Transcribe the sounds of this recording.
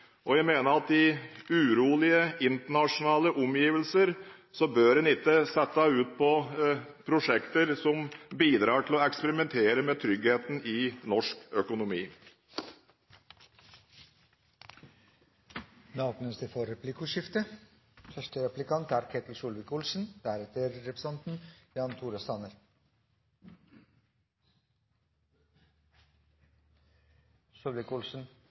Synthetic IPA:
ʔɔjæɪmeːnəɾɑt̪ɪʉːɾuːlɪəɪnt̪əɳɑʂʊnɑːləʔɔmjiːʋəlsəɾ | sɔbøːɾɛnɪt̪ːəsɛt̪ːɑʉːt̪̚pʰɔpʰɾʊʂɛkt̪əɾsɔmbiːd̪ɾɑːʈʰɪlɔɛkspəɾɪmɛnt̪ʰeːɾəmɛːt̪ʰɾʏɡheːt̪n̩ɪnɔʂkœkʊnʊmiː | nɑːpnəst̪əfɔɾɛplɪkʊʂɪft̪ə | fœʂʈəɾɛplɪkʰɑnt̪æːɾkʰet̪l̩ʃuːlʋɪkʊlsn̩d̪̥æɾɛt̪əɾːɛpɾɛsɑnt̪n̩jɑːnt̪ʰuːɾəst̪ɑnəɾ | ʂulʋɪkʊlsn̩

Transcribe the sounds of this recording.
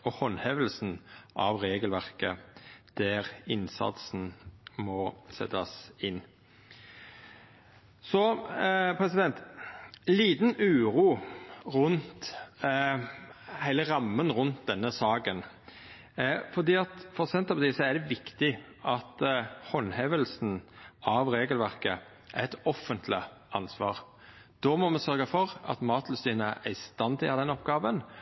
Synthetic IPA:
ɔhɔnhɛʋəlsn̩ʔɑ̰ʋɾeːɡəlʋæʁkəd̪̥æʁɪnsɑ̰t̪sn̩mɔsɛ̰t̪ːɑsɪnː | sɔ | pʰɾɛsɪd̪ɛnt̪ | liːt̪nʉːɾuːʁʉnt̪ | hæɪləʁɑmːənɾʉnt̪̚d̪ɛnːəsɑːɡən | fɔɾd̪iːɑt̪fɔɾsɛnt̪ɑpɑt̪iːsɔæɾd̪ɛʋɪkt̪ɪ | ʔɑt̪hɔnhɛʋəlsn̩ɑʋɾeːɡəlʋæɾkə̰ | ʔæɾɛt̪ɔfːənt̪ʰlɪ̰ | ɑnsʋɑ̰ːʁ | d̪̥ɔːmɔmɛsœɾɡəfɔɾɑ̰t̪mɑːt̪lʉst̪iːnəʔæst̪ɑnd̪ɪɑd̪ɛnɔpɡɑːʋən

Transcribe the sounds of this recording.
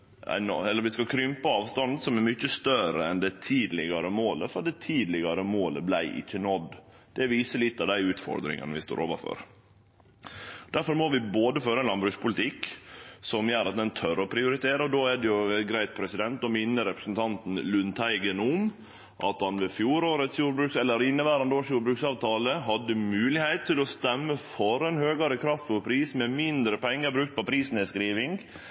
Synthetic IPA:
æ̰nɛlːəɾʋɪskɑkʰɾʏmpəɑːʋst̪ɑnd̪sɔmɛɾmʏçːəst̪œɾəɛnd̪ɛt̪ʰiːd̪lɪɡɑɾəmoːləfɔd̪ɛt̪ʰiːd̪lɪɡɑɾəmoːləblæɪʔɪ̰çːənɔd̪ | d̪̥ɛʋiːsəlɪt̪ːɑʋd̪æɪʉːt̪fɔ̰ɾd̪ɾɪ̰ŋə̰nəʋɪst̪o̰ːɾo̰ːʋəfø̰ɾ | d̪̥æɾfɔɾmɔʋɪboːd̪əføːɾəɛnlɑnbɾʉːspʰʊlɪt̪ʰɪksɔmjøːɾɑt̪̚d̪ɛnt̪ʰœɾɔpʰɾɪʊɾɪt̪ʰeːɾəɔd̪oːɛd̪ɛjʊɡɾæɪt̪̚pʰɾɛsɪd̪ɛnt̪ɔmɪnːəɾɛpɾəsn̩t̪ʰɑnt̪n̩lʉnt̪ʰæɪɡənʊm | ʔɑ̰t̪hɑnʋɛfjuːɾoːɾət̪sjuːɾbɾʉːksɛlːəɾɪnːəʋæːɾɑnd̪oːsjuːɾbɾʉːksɑːʋt̪ʰɑːləɦɑd̪ːəmʉːlɪhæɪt̪t̪ʰːɪlɔst̪ɛmːəfɔɾɛnhøːɡɑɾəkʰɾɑft̪ɔɾpʰɾiːsmɛmɪnd̪ɾəpʰɛŋːəɾbɾʉk̚t̪̚pɔpʰɾiːsn̩ɪskɾiːʋɪŋɡ

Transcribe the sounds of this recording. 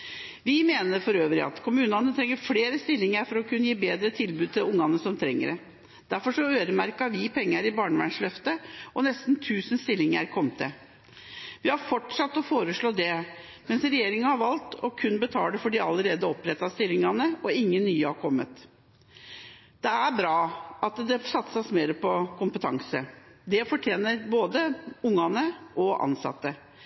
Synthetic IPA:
ʋɪmeːnəɾfɔɾøːʋɾɪ̰ɑ̰t̪kʰʊmʉːnɑnət̪ʰɾɛŋːəɾfleːɾəst̪ɪlːɪŋəɾfɔɾɔkʰʉnːəjiːbeːd̪ɾət̪ʰɪlbʉːt̪ʰɪlʊŋːɑnəsɔmt̪ʰɾɛŋːə̰ɾɛ | d̪̥æɾfɔʂɔøːɾəmæɾkɑʋɪpʰɛŋːəɾɪbɑːɳəʋæ̰ɳʂlœft̪əʔɔnɛst̪nt̪ʰʉːsənst̪ɪlːɪŋəæɾkʰɔmt̪ʰə | ʋɪhɑɾfɔʈʂɑt̪ːɔfoːɾəʂɭoːd̪ɛ | mɛnsɾɛjeːɾɪŋɑhɑɾʋɑlt̪ʰɔkʰʉnbət̪ʰɑːɖɛfɔɖiɑləɾeːd̪əɔpɾɛt̪ːɑst̪ɪlɪŋɑnəɔɪŋːənːyːəhɑɾkʰɔmːət̪ | d̪̥ɛæɾbɾɑːɑt̪d̪ɛsɑt̪sɑsmeːɾəpɔkʰʊmpət̪ʰɑŋsəd̪ɛfɔʈʰjeːnəɾboːd̪əʊŋːɑnəʔɔʔɑ̰nsɑ̰t̪ːə

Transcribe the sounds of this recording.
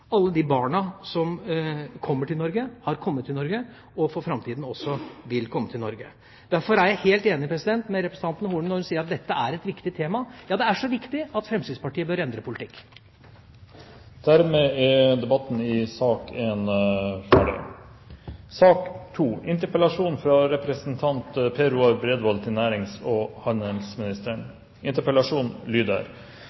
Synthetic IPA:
ɑlːəd̪ibɑːɳɑsɔmkʰɔmːəʈʰɪlnɔɾɡəhɑɾkʰɔmːət̪ʰːɪlnɔɾɡə | ɔfɔɾfɾɑmt̪ʰiːd̪n̩ɔsːɔʋɪlkʰɔmːət̪ʰɪlnɔɾɡə | d̪̥æɾfɔɾæɾjæɪheːlt̪eːnɪpʰɾɛsɪd̪ɛnt̪mɛɾɛpɾɛsn̩t̪ɑnt̪nəhuːɳnɔɾhʉnsiːəɾɑt̪̚d̪ɛt̪ːəæɾɛt̪ʋɪkt̪ɪt̪ʰeːmɑjɑːd̪ɛæʂɔʋɪkt̪ɪɑt̪fɾɛmst̪id̪spɑʈiːəbøɾɛnd̪ɾəpʰʊlɪt̪ɪkː | d̪̥æɾmeːɛd̪ɛbɑt̪ːn̩ɪsɑːkenfæ̰ɖɛ̰ | sɑːkt̪ʰuːʔɪnt̪əɾpəlɑʂuːnfɾɑɾɛpɾɛsnt̪ʰɑnt̪pʰeːɾʉɑɾbɾeːd̪ʋɔlt̪ʰɪnæːɾɪŋsɔhɑnəlsmɪnɪst̪əɳ | ɪnt̪əɾpəlɑʂuːnlyːd̪ə̰ɾ

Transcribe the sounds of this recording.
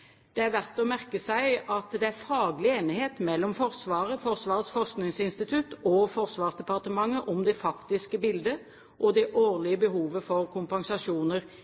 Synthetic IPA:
d̪̥ɛæɾʋæʁt̪ɔmæʁkəsæɪɑt̪d̪ɛæfɑːɡlɪeːnɪheːt̪mɛlːɔmfɔʁsʋɑːʁəfɔʁsʋɑːʁət̪sfɔʁsknɪŋsɪnst̪ɪt̪ʰʉt̪ɔfɔʁsʋɑːʁsd̪ɛpɑʁt̪əmɑŋːəʔɔmd̪ɛfɑkt̪ɪskəbɪld̪ə | ʔɔd̪ɛʔoːʁlɪəbəɦuːʋəfɔʁkʰʊmpɑŋsɑʃuːnəʁ

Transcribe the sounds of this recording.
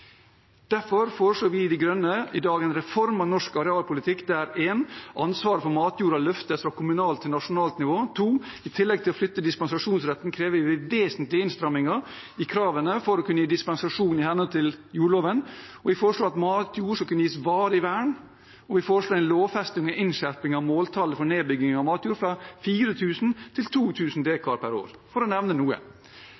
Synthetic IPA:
d̪̥æfɔɾfoːɾəʂɭoːʋɪɪd̪ɛɡɾœnːəɪd̪ɑːɡɛnɾɛfɔɾmɑʋnɔʂkɑɾɛɑːlpʰʊlɪt̪ʰɪkːd̪ɛæɾeːnʔɑnsʋɑːɾəfɔɾmɑːt̪juːɾɑlœft̪əfɾɑkʰʊmʉnɑːlt̪ʰːɪlnɑʂʊnɑːlt̪nɪʋoːt̪ʰuːɪt̪ʰɪlːɛɡ̚t̪ʰɪlɔflʏt̪ːəd̪ɪspɛnsɑʂuːnsɾɛt̪ːn̩kʰɾeːʋəʋɪʋʋeːsnt̪lɪɪnst̪ɾœmːɪŋɑ | ɪkʰɾɑːʋənəfɔɾɔkʉnːəjiːd̪ɪspɛnsɑʂuːnɪhɛnɔlt̪ʰɪljuːɭoːʋənɔʋɪfoːɾəʂɭoːɑt̪mɑːt̪ʰjuːɾʂɔlkʉnːəjiːsʋɑːɾəɪʋæːɳ | ɔʋɪfoːɾəʂloːɛɪnloːʋfɛst̪ɪŋɔʔɪnʃæɾpɪŋɑʋmoːlt̪ʰɑləfɔneːbʏɡɪŋɑmɑːt̪juːɾfɾɑfiːɾət̪ʰʉːsn̩t̪ʰɪlt̪ʰuːt̪ʰʉːsn̩d̪eːkʰɑɾpʰæɾo̰ːɾfɔɾɔnɛʋnənuːə̰

